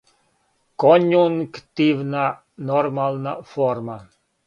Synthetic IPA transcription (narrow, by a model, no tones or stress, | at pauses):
konʲjuŋkt̪ivna | normalˠnafɔrma